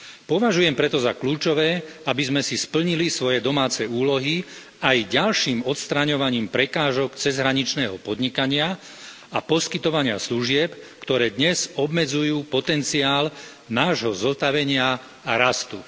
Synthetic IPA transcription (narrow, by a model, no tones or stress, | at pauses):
pɔʋaʒujɛmpɾɛt̪ɔzakluːt͡ʃɔʋɛːabizmɛsispl̩ɲilisʋɔjɛd̪ɔmaːt͡sɛuːlɔɦi | ajɟalʃiːmɔt̪st̪ɾaɲɔʋaɲiːmpɾɛkaːʒɔkt͡sɛzɦɾaɲit͡ʃnɛːɦɔpɔd̪ɲikaɲɪa | apɔskit̪ɔʋaɲɪa̰sluʒɪɛpkt̪ɔɾɛːd̪ɲɛzɔbmɛd͡zujuːpɔt̪ɛnt͡siaːl | naːʒɦɔzɔst̪aʋɛɲɪaː | ɾast̪u